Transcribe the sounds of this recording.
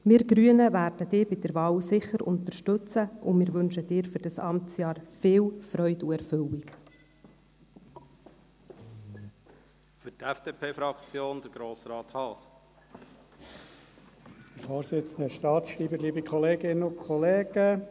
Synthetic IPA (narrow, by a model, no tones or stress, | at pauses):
mɪːɾɡɾyənəʋæːɾd̥əd̥ɪːbɪdəɾʋɑːwsɪχəɾʊ̰nt̪əɾʃtɵt͡səʔʊmɪːɾʋɵnʃəd̥ɪːɾfʏɾd̥ɑsɑmt͡sjɑːɾfɪːwfɾœʏduɛɾfɵwik | fʏtɛfd̥eːpʰeːfɾɑkt͡sjoːnd̥̪əɾɡ̥ɾoːsɾɑːt̪hɑːs | əfoːɾsɪt͡sən̩d̪əʃtɑːtʃɾiːbəliːbəkχɔleːɡɪnːəʊkʰχɔleːɡ̥ə